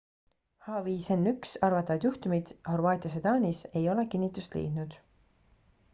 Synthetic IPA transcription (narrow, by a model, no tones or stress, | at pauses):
hɑviːsenːyksɑrvɑt̪ːˑɑvɑd̪juht̪umid̪̥ho̞ruɑːt̪ʲˑiɑsed̪ɑːnʲise̞jo̞le̞kinʲːit̪ːˑust̪lḭːd̪̥nud̪̥